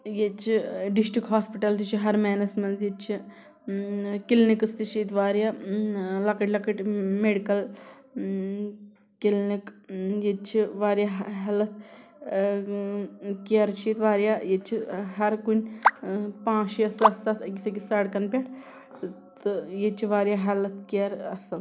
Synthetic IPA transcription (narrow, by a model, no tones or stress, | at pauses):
jet͡ʃʰiɖisʈikɦaːspiʈɐlt̪it͡ʃʰiɦɐɾmɛːnɐsmɐnt̪jet͡ʃʰi | kilnikɨst̪it͡ʃʰiːt̪ʋaːɾjaːlɐkɐʈʲlɐkɐʈʲmeɽikɐl | kilnikjet͡ʃʰiʋaːɾjaːɦɦɐlɐt̪̚ʰ | kɐɾt͡ʃʰit̪ʋaːɾjaːjet͡ʃʰiɦɐɾkunʲ | pãːt͡ʃiɐsɐsɐt̪ʰɐkʲisɐkisaːɽkɐnpʲaːʈʰ | t̪ɨjet͡ʃʰiʋaːɾjaːɦɐlɐt̪ʰkeɾɐsɐl